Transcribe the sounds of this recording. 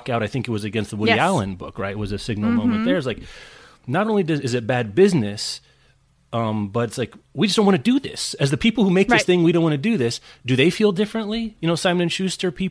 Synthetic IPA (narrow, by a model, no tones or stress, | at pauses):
kaʊɾaɪθɪ̃ŋkɨt̚wʌzɨɡɛ̃nst̪̚ðəwʊiælˠə̃nbʊ̰kɹaɪt̚wʌzɨsɪɡ̚nl̩ˠmõʊ̃mɨ̃ðə˞ɨzlaɪk | nəɾõʊ̃nlidʌzɨzɨt̚b̥æd̚bɪznɨs | ʌ̃mb̥ʌɾɨtslaɪkwid͡ʒɨʌsd̥õʊ̃nwɑ̃nɨdɨðɪ̰sɨzðɨpʰipl̩ˠhumeɪk̚ðɪsθɪ̃ŋwidõʊ̃nʔwɑ̃nɨdɨðɪsd̥ɨðeɪfilˠdɪfɹɨ̃nʔlijɨñoʊsãɪ̃m̃ñɨ̃nʃʉstə˞pʰi